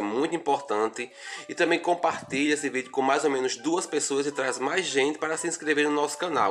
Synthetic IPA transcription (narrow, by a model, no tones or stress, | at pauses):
ɛmũj̃t̪ʊĩpoɾt̪ɐ̃nt̪ɪɪt̪ɐ̃mbẽj̃kõpaɾt̪iʎɐesɪvid̪jʊkõmajzomẽnʊzd̪uɐspesoɐzɪt̪ɾazmajzʒẽnt̪ɪ̥paɾɐsiĩskɾeveɾnʊnɔsʊ̥kɐ̃naw